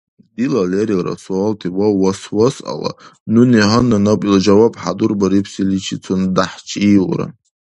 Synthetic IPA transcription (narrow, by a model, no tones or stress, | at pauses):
dilaleɾiɾa̰sualtʰiwawaswasa̰la̰nuniɦananakʼild͡ʒawabʼħadurbaɾipʰsilit͡ʃʰit͡sʰondaħt͡ʃʰiʁʷra̰